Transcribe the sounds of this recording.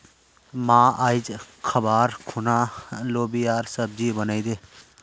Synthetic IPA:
mãːaɪd͡ʒ | kʰəbaːɾkʰʊnaːloːbijaːɾsəb̚d͡ʒiːbənaid̪eː

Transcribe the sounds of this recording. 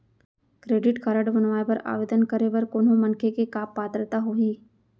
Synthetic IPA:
kɾeːɖɪʈkaɾəɖbɐnʋaːepɐɾa̰ːʋeːd̪ənkəɾeʋɐɾkoːnõmɐnkʰekekaːpːaːt̪ɾət̪aɦoiː

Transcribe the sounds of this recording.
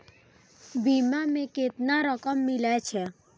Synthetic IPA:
bimamẽket̪naɾəkəmːɪlɛt͡ʃʰɛ

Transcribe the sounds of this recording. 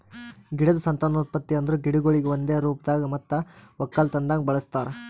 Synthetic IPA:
ɡiɽɐd̪ɐsɐnt̪ɐːnoːt̪̚pɐt̪ːiɐnd̪ɐɾuɡiɽuɡoɭiɡeond̪eːɾuːp̚d̪aːɡɐmɐt̪ːɐʋɐkːɐlt̪ɐnd̪aːɡɐbɐɭɐst̪aːɾe

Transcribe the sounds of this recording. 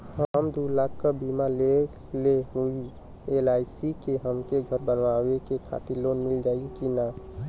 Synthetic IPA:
həəmd̪ulaɡkəbimale | leɦui | elajsikeɦəmkeɡʱəɾbənʋawekekʰa̰t̪iɾlonmild͡ʒaːikina

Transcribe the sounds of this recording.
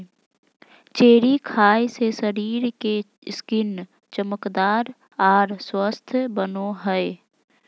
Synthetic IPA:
t͡ʃeːɾikʰaːesesəɾiːɾke | skɪn | t͡ʃəməkd̪aːɾ | aːɾswəst̪ʰbənoɦəe

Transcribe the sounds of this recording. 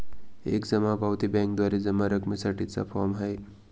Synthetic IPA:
ḛkd͡zəmabawt̪ibɛ̃ŋk̚d̪waɾid͡zəmːaɾəkmisaʈit͡sa̰pʰɔmɦəj

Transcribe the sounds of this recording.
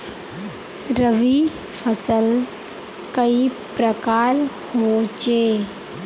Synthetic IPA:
ɾəʋi | fʰəsəl | kəipɾəkaːɾ | ɦot͡ʃeː

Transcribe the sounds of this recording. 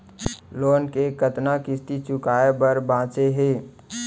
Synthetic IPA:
loːnkekət̪nakɪst̪it͡ʃʊkaːebəɾbãːt͡ʃeɦeː

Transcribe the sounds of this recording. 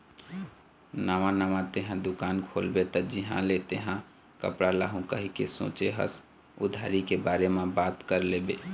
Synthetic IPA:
naʋãnaʋãt̪eɦãd̪ʊkaːnkʰolbet̪ɔd͡ʒiɦã̰let̪eɦã | kə̰pɽalaːɦũkəɦikesõ̰t͡ʃeɦə̰s | ṵd̪ʱaɾikebaːɾemẽbaːt̪kəɾlebe

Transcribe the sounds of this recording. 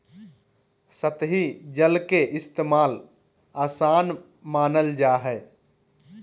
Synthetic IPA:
sət̪ɦid͡ʒəlkeʔɪst̪eːmaːl | aːsaːn | maːnəld͡ʒaːɦɛː

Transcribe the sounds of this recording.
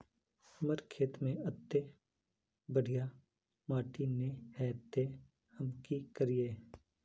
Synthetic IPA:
məɾkʰeːt̪mẽɐt̪ːe | bəɽ̤ʱija | maːʈinehɛːt̪e | hɐmkikəɾieː

